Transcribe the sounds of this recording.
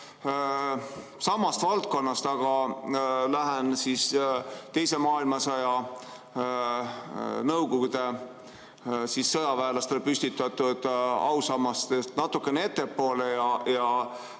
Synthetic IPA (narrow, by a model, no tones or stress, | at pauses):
sɑmːɑst̪vɑlt̪̚ko̞nːɑst̪ɑɡ̥ɑ | læɦensist̪e̞jse̞mɑːilmɑsɑjɑ | nɤwɡoɡud̪e̞ | sisːɤjɑvæːlɑst̪e̞lpysʲt̪it̪ːˑɑt̪ːˑud̪̥ɑ̰wsɑmːɑst̪est̪nɑt̪ːukːˑenee̞t̪ːe̞pːo̞ːlejɑjɑ